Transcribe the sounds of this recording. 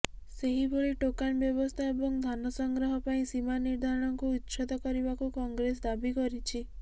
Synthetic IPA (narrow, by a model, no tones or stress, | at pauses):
seɦibʱoɭiʈokanbjɔbɔst̪ʰaebɔŋd̪ʱanɔsɔŋɡɾɔɦɔpaĩsimaniɾd̪ʱaɾɔɽ̃ɔŋkuːt̪ːʃʰɔd̪ɔkɔɾibakukɔŋɡɾes̬d̪abikɔɾit͡ʃʰi